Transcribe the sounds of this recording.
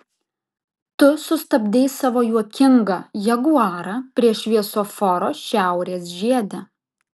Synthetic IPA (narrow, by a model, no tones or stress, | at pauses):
t̪ʊsʊst̪ɐbʲd̪ʲeːsɑːʋoːjuɔkʲɪŋɡɐjɛɡuɑːɾɐpʲɾʲiɛʃʲʋʲiɛsoːfɔɾoːʃʲæˑʊɾʲeːsʒʲiɛd̪ʲɛ